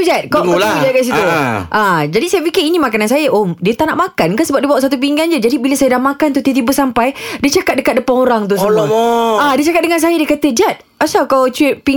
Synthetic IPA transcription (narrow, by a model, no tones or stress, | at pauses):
t̪ud͡ʒat̪̚kaw̪aud͡ʒakaʔs̬it̪uʔad͡ʒadisajafikiinĩmakanansajaʔomdiət̪anaʔmãkankasəbap̚dibawaʔsat̪̬up̬iŋɡand͡ʒəd͡ʒadibiləsajədahmakant̪ut̪iət̪̬ibəsampajdit͡ʃakat̪̚dəkat̪̚dəpaŋoɾaŋt̪̬us | adiət͡ʃakat̪̚dəŋans̬ajadikat̪əd͡ʒat̪̚ | asawkawt͡ʃit̪̚pi